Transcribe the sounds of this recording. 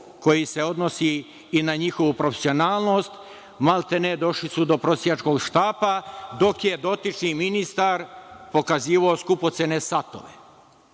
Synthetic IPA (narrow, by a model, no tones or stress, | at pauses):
ko̞jise̞o̞d̪nosiː | naɲixo̞ʋupɾofesio̞naːlˠno̞st̪ | malˠt̪ened̪o̞ʃlisud̪o̞pɾosijat͡ʃko̞ɡʃt̪aːpad̪o̞kje̞d̪o̞t̪it͡ʃniminist̪aɾpo̞kaziːʋaoskupo̞t̪sene̞sat̪o̞̰ʋḛ